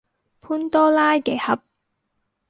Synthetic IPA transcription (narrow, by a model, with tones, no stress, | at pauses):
pʰuː˥nt̪ɔː˥laː˥jkɛ˨˩hɐ˨˥p̚